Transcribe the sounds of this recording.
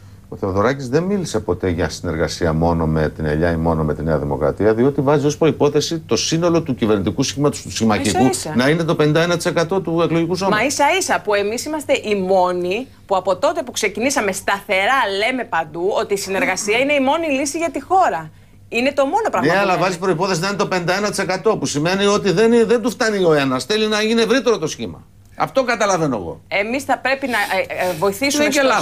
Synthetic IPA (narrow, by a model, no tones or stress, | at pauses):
o̞θeðo̞ɾɐcizðe̞nmilise̞po̞t̪e̞ʝɐsine̞ɾɣɐsiɐmo̞no̞met̪inḛʎɐimo̞no̞me̞t̪ineɐðimo̞̰kɾɐ̰t̪iɐðio̞t̪ivɐzio̞spɾo̞ipo̞θe̞sit̪o̞sino̞lo̞t̪ucive̞ɾnit̪ikusi̥çimɐt̪ost̪usçimɐikuisɐnɐine̞t̪o̞pe̞nind̪ɐenɐt̪i̥se̞kɐt̪o̞t̪uekloʝikusomɐisɐisɐpue̞misimɐst̪e̞ʔimo̞ni | puɐpo̞t̪o̞t̪e̞pukse̞cinisɐme̞st̪ɐθe̞ɾɐle̞me̞pɐnd̪uo̞t̪iːsine̞ɾɣɐsiɐine̞imo̞nilisiʝɐt̪ixo̞ɾɐ | ine̞t̪o̞mo̞no̞pɾɐɣeɐlɐvɐzipɾoipo̞θes̬inɐint̪openid̪ɐenɐt̪i̥se̞kɐt̪o̞pusime̞nio̞t̪̬iðenðend̪uft̪ɐnio̞enɐsθelinɐeʝineevɾit̪e̞ɾo̞t̪o̞sçḭmɐ̰ | ɐ̰ft̪oɡɐt̪ɐlɐveno̞ḛɣo̞̰e̞misθɐpɾe̞pinɐvo̞iθisue